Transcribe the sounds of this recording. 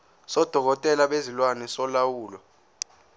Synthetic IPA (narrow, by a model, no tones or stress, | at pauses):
sɔd̥ʱɔk̬ɔtʼɛlaɓezilwanɛsɔlawuːlɔ